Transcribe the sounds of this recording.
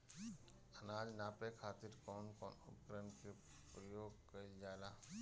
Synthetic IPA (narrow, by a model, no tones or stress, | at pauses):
ɐnaːd͡ʒnaːpekʰaːt̪iɾkɔːnkɔ̰ːnʊ̰pkɾənke | pɾəjoːɡkəid͡ʒaːlaː